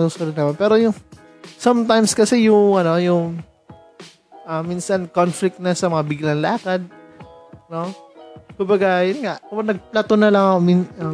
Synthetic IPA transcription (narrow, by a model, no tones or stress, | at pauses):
susoɾɪnɐmanpɛːɾo̞jʊŋ | sɐmt̪ajmskɐsɛjʊŋʔɐno̞jʊŋ | ʔaminsɐnkonflɪk̚t̪nɐsɐmɐŋabɪɡlɐŋlaːkɐd̪̚ | no̞kʊmbɐɡajʊnŋaʔkɐbaɡ̚nɐɡ̚plat̪onɐlɐŋɐkominɐ